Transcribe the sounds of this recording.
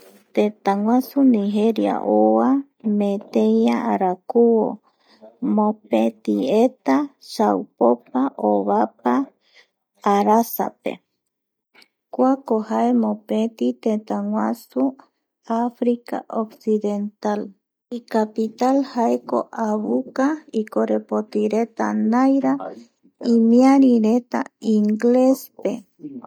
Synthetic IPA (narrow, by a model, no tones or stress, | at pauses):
t̪ẽt̪aŋw̃ãsunĩɦeɾia̰ʔoa | mẽt̪ejaʔaɾakuwo̰ | mõpet̪iet̪aʃawpopaʔoβap̚aː | ɾasa̰pḛ | kwakohaemõpẽt̪it̪ẽt̪aŋwʷãsu | afɾika̰ʔoksiðent̪al | ikapit̪alhaeko̰ʔaβukaikoɾepot̪iɾet̪a̰nãjɾa | imĩaɾiɾet̪a̰iŋɡlespe